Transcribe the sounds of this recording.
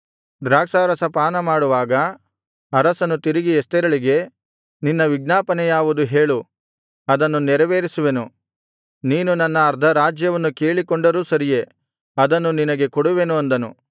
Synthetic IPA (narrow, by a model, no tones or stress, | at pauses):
d̪ɾaːksaːɾɐsɐpaːnɐmaːɽuʋaːɡɐ | ɐɾɐsɐnut̪iɾiɡiest̪ɛɾɐɭiɡe̞ | ninːɐʋiɡnaːpɐnɛjaːʋud̪uɦe̞ːɭu | ɐd̪ɐnːunɛɾɐʋeːɾisuʋe̞nu | niːnunɐnːɐːɾd̪ʱɐɾaːd͡ʒjɐʋɐnːuke̞ːɭikoɳɖɐɾuːsɐɾije̞ | ɐd̪ɐnːuninɐɡe̞koɽuʋe̞nuɐnd̪ɐnṵ